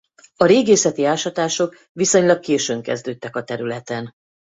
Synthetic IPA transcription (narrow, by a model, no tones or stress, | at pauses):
ɒɾeːɡeːsɛt̪iaːʃɒt̪aːʃo̞k | ʋiso̞ɲlɒkkeːʃøːŋkɛ̰zd̪øːt̪ːɛkɒt̪ɛɾylɛt̪ɛn